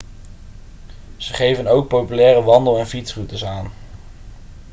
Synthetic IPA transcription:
z̥əχejvənowk̚powpylɛːrəʋɑndəlˠɛnfitsrutəsaːn

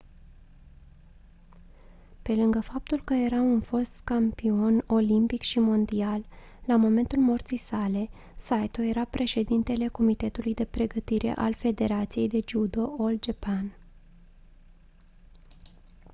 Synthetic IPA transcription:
pe̞lɨŋɡəfap̚t̪ulkəje̞ɾaunfo̞st̪kampio̞no̞limpikʃimond̪ialː | amo̞me̞nt̪ulmo̞rt̪sijsale̞ | sajt̪oje̞ɾapɾʔe̞ʃe̞d̪int̪e̞le̞ko̞mit̪e̞t̪ulujd̪e̞pɾe̞ɡət̪iɾʔe̞̰ʔalfe̞d̪e̞ɾat̪sije̞jd̪e̞d͡ʒud̪o̞old͡ʒepan

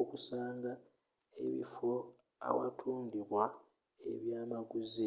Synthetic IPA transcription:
okusaːŋɡa | e̞̰βḭfo | a̰wa̰tʰuːndiβwa | eβjaːmaɡuzi

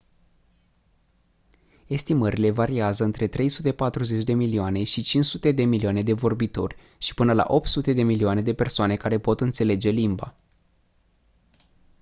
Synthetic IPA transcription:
e̞st̪iməɾile̞vaɾiazəɨnt̪ɾe̞t̪ɾe̞jsut̪e̞pat̪ɾuze̞t͡ʃʲd̪e̞milioane̞ʃit͡ʃint͡ʃsut̪e̞d̪e̞miliane̞d̪e̞vo̞rbit̪o̞rʲ | ʃi̥pɨnəla̰ʔo̞p̚t̪sut̪e̞d̪e̞milioane̞d̪e̞pe̞rsoane̞kaɾe̞po̞t̪ɨnt̪se̞le̞d͡ʒe̞limba̰

